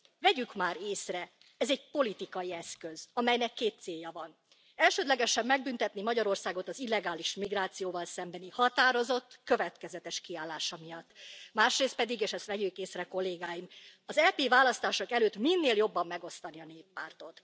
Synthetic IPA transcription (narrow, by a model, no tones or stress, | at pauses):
vɛɟykmaːɾeːsrɛ | ɛzɛɟpo̞lit̪ikɒjiɛskø̞zɒmɛjnɛkːeːt̪seːjːɒvɒn | ɛlʃøːd̪lɛɡɛʃɛmːɛɡ̚bynt̪ɛt̪nimɒɟɒɾo̞rsaːɡo̞t̪ɒzilːɛɡaːliʃmiɡraːt̪sijoːvɒlsɛmbɛnihɒt̪aːɾo̞zo̞t̪ːkø̞vɛt̪kɛzɛt̪ɛʃkiaːlːaːʃɒmijɒt̪ːmaːʃreːst̪pɛd̪iɡeːʃɛst̪ʋɛɟykeːsrɛko̞lːeːɡaːjimɒzɛpeːvaːlɒst̪aːʃo̞kɛløːt̪minːeːljo̞bːɒmːɛɡo̞st̪ɒniɒneːpːaːrt̪o̞t̪